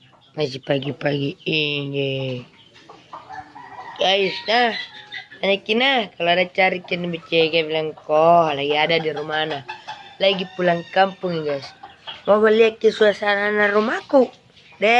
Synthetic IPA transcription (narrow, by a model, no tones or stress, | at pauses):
ŋas̬ipaɡipaɡiiɡe | ɡaisna | aɲakːinakaloadat͡ʃaɾikinbit͡ʃːɛɡabilaŋkɔalaɡiadadiɾumanalaɡipulaŋkampuŋiɡaismamaliakːisuasananarumaku | dɛ